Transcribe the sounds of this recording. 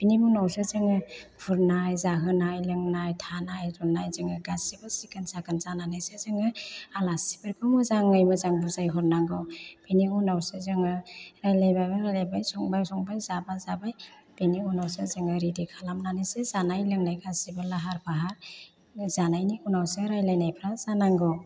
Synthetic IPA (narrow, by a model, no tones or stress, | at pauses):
b̥inimunawsezɯŋɯhʰuɾnajzaɦɯnajlɯŋnajtʰanajzɔnːajzɯŋɯɡasibɯsikansakɯnzananɯsezɯŋɯalasi̥bɯɾkʰɯmɯzaŋɯjmɯzaŋbuzajɦɔɾnaŋɡɯwb̥iniunawsezɯŋɯɾajlajbajbaɾalajbajsɔŋbajsɔŋbajzabazabajb̥iniunawsezɯŋɯɾidikʰalamnanɯsezanajlɯŋnajɡasibɯlaɦaɾpʰaɦaɾ | zanajniunawseɾajlajnajpʰɾazanaŋɡɔw